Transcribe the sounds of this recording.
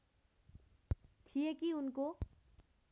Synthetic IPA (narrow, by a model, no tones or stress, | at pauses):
t̪ʰijekiunko